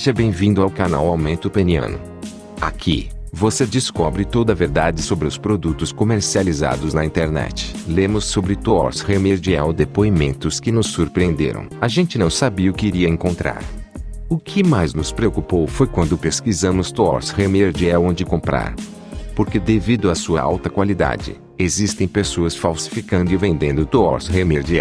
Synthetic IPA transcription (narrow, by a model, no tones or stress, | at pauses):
seʒɐbẽj̃vĩd̪ʊawkana̰wawmẽnt̪ʊpeniɐ̰̃nʊ̰ | a̰kʰḭvosed͡ʒɪskɔbɾɪt̪od̪ɐveɾd̪ad͡ʒɪsobɾɪʊspɾod̪ut̪ʊskomeɾsializa̰d̪ʊznɐĩnt̪eɾnɛ̰t͡ʃɪ̥lẽmʊsːobɾɪt̪oɔ̰ɾshemeɾd͡ʒiɛwd̪epoimẽnt̪ʊskɪnʊsːuɾpɾiẽnd̪ḛɾɐ̰̃w̃aʒẽnt͡ʃɪnɐ̃w̃sabiɐʊkɪiɾiɐẽŋkõnt̪ɾa̰ɾ | ʊkʰɪmajznʊspɾeokupowfojkwɐ̃nd̪ʊpeskizɐ̃mʊst̪oɔ̰ɾshemeɾd͡ʒiɛwõd͡ʒɪkõmpɾa̰ɾ | poɾked̪evid̪ʊɐsuɐa̰wt̪ɐkwalid̪a̰d͡ʒɪ̰ | ezist̪ẽj̃pesoɐsfawsi̥fikɐ̃nd̪ʊɪvẽnd̪ẽnd̪ʊt̪oɔ̰ɾshemeɾd͡ʒiɛ̰w